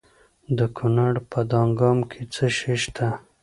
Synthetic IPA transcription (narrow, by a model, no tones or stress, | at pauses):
d̪əkʰunaɽpəd̪ɑŋɡɑmkʰet͡səʃeʃt̪ʰa